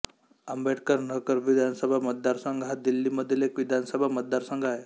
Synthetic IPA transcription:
əmbeʈʰkəɾnəkəɾʋid̪ʱansəbʱamət̪̚d̪aɾsəŋɡʱad̪ilːiməd̪ʱjelekʋid̪ʱansəbʱamət̪̚d̪aɾsə̃ŋɡʱae

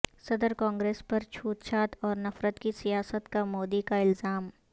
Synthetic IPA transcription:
sɐd̪əɾkɔ̃ːŋɡɾeːspɐɾt͡ʃʰuːt̪t͡ʃʰaːt̪ɔːɾnɐfɾət̪kisijaːsət̪kamoːd̪ikaɪlzaːm

